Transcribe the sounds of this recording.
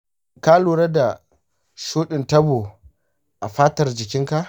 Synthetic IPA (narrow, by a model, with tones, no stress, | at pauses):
ka˦loː˨ɾa˦da˨ | ʃuː˦ɗɪ˨ntɐ˦bo˨ | ʔa˨ɸaː˦tɐ˨rd͡ʒɪ˨kʲɪ˦ŋka˦ʔ